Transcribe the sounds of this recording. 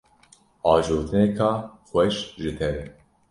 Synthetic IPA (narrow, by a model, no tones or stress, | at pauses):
ʔɑːʒoːt̪ʰɨnekʰɑːxʷɛʃʒɨt̪ʰɛɾɛ